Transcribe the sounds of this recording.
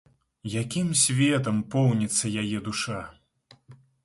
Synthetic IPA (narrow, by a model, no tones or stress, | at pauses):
jakʲimsʲvʲɛt̪̬ɐmpɔwnʲit̪sːɐjajɛd̪uʂa